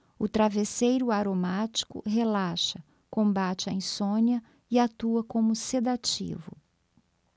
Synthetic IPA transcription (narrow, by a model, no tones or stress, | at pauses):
ʊt̪ɾavesejɾʊaɾomat͡ʃi̥kʊ̰ɦelaʃɐ | kõmbat͡ʃɪaĩsõniɐ | ɪat̪uɐkõmʊsed̪at͡ʃḭvʊ̰